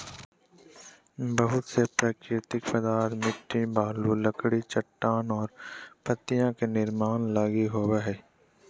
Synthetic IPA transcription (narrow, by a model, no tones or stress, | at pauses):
bəɦʊt̪sepɾaːkɾɪt̪ɪkfɐd̪aːɾmɪʈːĩbaːlulɐkɽit͡ʃɐʈːaːnɔːɾpɐt̪ːijãkenɪɾmaːnlaːɡiɦoːweɦɛː